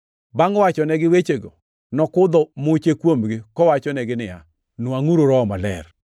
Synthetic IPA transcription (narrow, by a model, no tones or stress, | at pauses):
baŋɔwat͡ʃɔnɛɡɪwet͡ʃeɡo̰ | nɔkʊd̪ɔmʊt͡ʃekwomɡɪkɔwat͡ʃɔnɛɡɪnɪja̰ | nwaŋuɾoɾɔmalɛ̰r